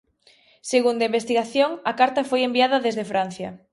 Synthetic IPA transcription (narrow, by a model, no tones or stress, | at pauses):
seɣund̪aimbest̪iɣaθjoŋɐkaɾt̪ɐfojembiaðɐðezðefɾan̟θjɐ